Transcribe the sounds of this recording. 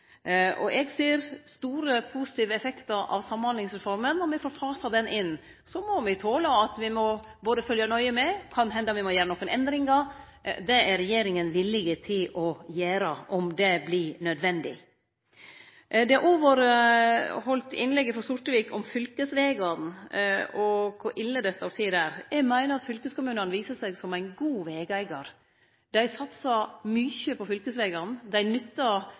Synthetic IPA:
ʔɔ̰ʔɛɡseːɾst̪uːɾəpʰusɪ̥t̪iːʋəɛfɛkt̪əɾɑ̰ʋsɑmːhɑnlɪŋsɾɛfɔɾmənːɔmɛfoːɾfɑːsɑd̪ɛnʔɪn | sɔmɔmɛɡt̪ʰoːləɑt̪ʋɪmɔ | boːd̪əfœljɑnɔʏəmɛkʰɑnɦɛnd̪əɑmʋɪmɔjæːɾənɔkːənɛnd̪ɾɪŋɑ | d̪ɛæɾɛjeːɾɪŋənʋɪlːɪɡət̪ʰɪlɔjæːɾəʔɔmd̪ɛblɪnœd̪ʋɛnd̪ɪ̰ | d̪ɛɑɾʔoːʋəɾ | hɔlt̪ɪnlɛɡːəfɾɔsʊʈ̪əʋiːkʰɔmfʏlkəsʋeːɡɑɾn | ɔkʰʊɾʔɪlːəd̪ɛst̪ɑʋsiːd̪æːɾjɛɡmæɪnəɾɑt̪fʏlkəskʊmʉːnənəʋiːsəsɛɡsɔmæɪnɡuːʋeːɡæɪɡɑɾ | d̪̥æɪsɑt̪sɑmyːçəpʰɔfʏlkəsʋeːɡɑɾnd̪æɪnʏt̪ːɑ

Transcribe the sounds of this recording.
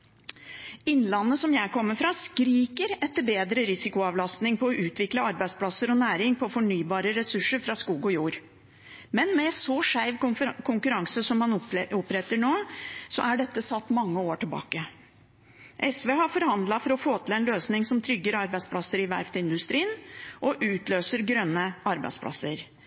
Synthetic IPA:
ɪnːlɑnːəsɔmjæɪkʰɔmːəfɾɑːskɾiːkəɾɛt̪ːəɾbeːd̪ɾəɾɪsɪkʊɑːʋlɑst̪nɪŋpʰɔːʔʉːt̪ʰʋɪkləɑɾbæɪdspʰlɑsːəɾɔnæːɾɪŋpʰɔfɔɳyːbɑːɾəɾɛsʉʂəɾfɾɑskuːɡɔjuːɾ | mɛnmɛɛsɔʂæɪʋkʰʊŋkʉɾɑŋsəsɔmhɑnɔpːɾɛt̪ːəɳoːsɔ̰ʔæɖɛt̪ːəsɑt̪ːmɑŋːəoːʈʰɪlbɑ̰ːkə | ʔɛsʋeːhɑɾfɔɾhɑnd̪lɑfɔɾɔfoːt̪ʰɪlɛnløːsnɪŋsɔmt̪ʰɾʏɡːəɾɑɾbæɪspʰlɑsəɾɪʋæ̰ɾft̪ɪnd̪ʉst̪ɾiːnʔɔʔʉːt̪løːsəɾɡɾœnːəɑɾbæ̰ɪspʰlʔɑ̰sːəɾ

